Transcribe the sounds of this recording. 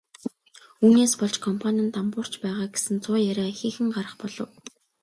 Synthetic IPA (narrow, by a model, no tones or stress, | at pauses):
uːneːspɔɮt͡ɕkʰɔmpʰanʲə̆nt̪ampʊːr̥t͡ɕpæːʁaːɡesɘ̆nt͡sʰʊːjæɾʲaːxiːxɘ̆ŋɢaɾə̆χpɔɮɞ̆w